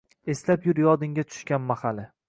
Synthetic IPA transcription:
e̞slapjʊɾjɒd̪ɪŋʲat̪ʰʊ̥ʃkʲanmahalɪ

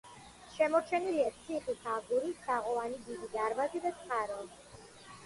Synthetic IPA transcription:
ʃɛmɔɾt͡ʃʰɛniliat̪sʰiχitʰaɡuɾisaʁɔanid̪id̪id̪aɾvazid̪at̪sʼqʼaɾɔ

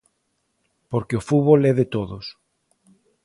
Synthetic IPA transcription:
poɾkeofuβolɛðet̪oðos

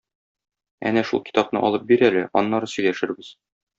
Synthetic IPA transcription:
æ̰næʃṵlˠki̥t̪ɑpnɤ̰ʔɒlˠɤp̚biɾælɘʔɒnːɑɾɤsɵ̆jlæʃɘ̆ɾbɘz̥

